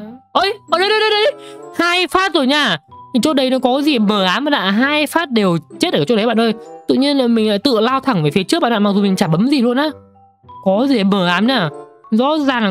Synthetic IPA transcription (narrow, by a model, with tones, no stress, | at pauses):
ʔə˧jʔəː˧˩ɗə˧˦jɗə˧˦jɗə˧jɗə˧˦ɗə˧˦jhaː˧jfaː˦˥t̚zoː˧˩jɲaː˧˩i˨˩t͡ɕɔ˧t̚ɗə˨˦jnɔ˨˦kɔ˨˦˨zi˨˩˨məː˨˩ʔaː˨˦mə˨˩ɗa̰ː˧˨˩ɦaː˧jfaː˦˥t̚ɗe˨˩wt͡ɕe˦˥t̚ʔːt͡ɕɔ˧˥ɗə˨˦jɓa̰ː˧˨nʔə˧˩jt̪ṵ˧˨ɲi˧ənlaː˨˩mï˨˩ŋ̟laː˧˥jt̪ɨ̰˧˨əlaː˧wt̪ʰa˧˩ŋveː˨˩fi˨˦t͡ɕɨ˦˥k̚ɓ̰aː˧˨ʔaː˧˨ma˨˩zu˨˩mï˨˩ŋ̟t͡ɕaː˧˩mɓə˨˦mzi˨˩lu˧ənʔaː˨˦ | kɔ˨˦zi˨˩ə˨˦məː˨˩ʔaː˨˦mɲaː˧˩zɔ̰˧˥zaː˨˩ŋa˨